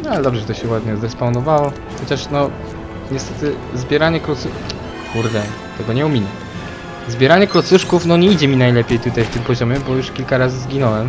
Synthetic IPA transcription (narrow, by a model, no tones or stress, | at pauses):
nalɛd̪ɔbʐɛɛt̪ɔɕɛwad̪ɲɔzd̪ɛspawnɔvawɔ | xɔt͡ɕaʂnɔ | ɲɛst̪ɛt̪ɘ | zbʲjɛɾaɲɛkɾɔtsu | kuɾd̪ɛ | t̪ɛɡɔɲɛumʲinɛ | zbʲjɛɾaɲɛkɾɔt̪suʂkufnɔɲɛid͡ʑɛmʲinajlɛpʲejt̪ut̪ajft̪ɘmpɔʑɔmʲɛbɔjuʂkʲilkaɾazɘzɡʲinɔwɛm